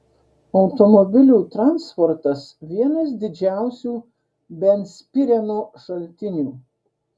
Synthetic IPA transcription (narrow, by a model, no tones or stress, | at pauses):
ɔʊt̪ɔmɔbʲɪlʲuːt̪ɾɑnspɔɾt̪ɐsʋʲiɛnɐs̬d̪ʲɪd͡ʒʲæˑʊsʲuː | bʲɛnʲsʲpʲɪɾʲɛnuːʃɐlʲt̪ʲɪnʲuː